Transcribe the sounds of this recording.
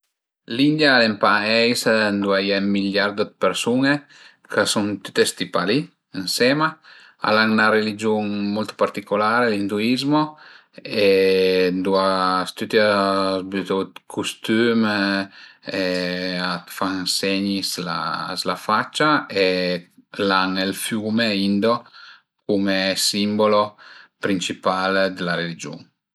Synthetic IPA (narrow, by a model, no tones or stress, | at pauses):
lind̪jalempaɛjsnd̪uajɛmiljaɾd̪od̪peɾsune | kʰəsunt̪u̥t̪ːest̪ipali | insɛma | a̰laŋnaɾelid͡ʒuŋmult̪paɾt̪ikulaːɾelind̪uizmo | end̪uast̪yt̪azbyt̪ot̪kʰust̪yːm | ɛat̪faŋsɛɲisla̰slafat͡ʃːae | laŋelfjuːmeind̪o | kumesimbolopɾint͡ʃipald̪elaɾelid͡ʒṵŋ